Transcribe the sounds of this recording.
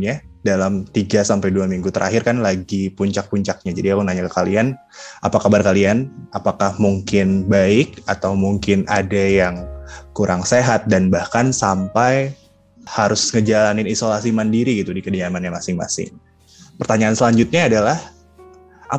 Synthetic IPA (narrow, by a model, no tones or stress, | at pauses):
ɲadalamt̪iɡasampajduamiŋɡut̪əɾʔa̰ɦɪrkanlaɡipuɲt͡ʃak̚puɲt͡ʃak̚ɲad͡ʒadiakunaɲakakalian | ʔa̰pakabarkalianapakahmuŋkɪnbaɪkat̪awmuŋkɪnʔa̰dajaŋkuɾʔaŋseɦat̪̚danbahkansampaj | haɾʊsŋəd͡ʒalanɪnisolasimandiɾiɡit̪udikədiamanɲamasɪŋma̰sɪ̰ŋ | pərt̪aɲaːnsəlaɲd͡ʒʊt̪̚ɲaːdalah | ʔa̰